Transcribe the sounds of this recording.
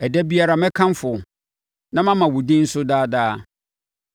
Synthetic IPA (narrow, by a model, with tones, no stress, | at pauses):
ɛ˨dɛ˦bi˦a˦ɾa˨mɛ̃˦kʰã˦m˦fʊ˨ | nã˦mã˦mã˨wʊ˨dĩ˦n̩˦sʊ˦daː˦daː˦